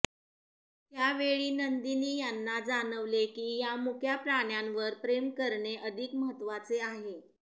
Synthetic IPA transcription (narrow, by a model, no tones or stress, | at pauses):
ɦjaʋeɭiːnənd̪iniːjanːad͡zanəʋlekiːjamukʰjapɾaɳjanʋəɾpɾemkəɾɳeʔəd̪ʱikməɦət̪ːʋat͡seaɦe